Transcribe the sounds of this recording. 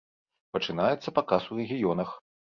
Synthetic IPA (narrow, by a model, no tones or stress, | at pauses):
pɐt͡ʂɨnajɛt̪sːɐpɐkasurɛɣʲijɔnɐx